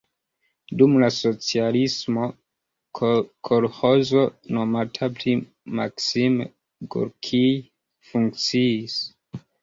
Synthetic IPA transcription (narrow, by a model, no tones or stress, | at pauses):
dumlaso̞t͡sialismo̞ | kʰolho̞zo̞nomatʰapli | maksime | ɡo̰ɾkʰi | fuŋk̚t͡siːs